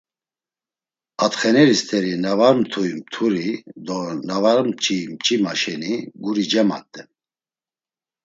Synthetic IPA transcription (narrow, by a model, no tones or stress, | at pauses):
at̪χɛnɛɾist̪ʰɛɾinavaɾmt̪ʰujmt̪ʰuɾid̪ɔnavaɾmt͡ʃʼimt͡ʃʼimaʃɛniɡuɾid͡ʒɛma̰t̪ʼːɛn